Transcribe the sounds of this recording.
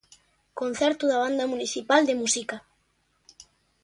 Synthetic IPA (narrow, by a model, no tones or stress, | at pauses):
kon̟θɛɾt̪uðaβ̞and̪amuniθipald̪emusika